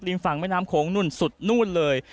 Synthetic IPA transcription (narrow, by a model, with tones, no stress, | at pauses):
k̚li˧nfa˨˩ŋma˥˩naː˦˥mkʰoː˩˦ŋnu˧˥˩nsu˨˩t̪̚nuː˥˩nlɤː˧j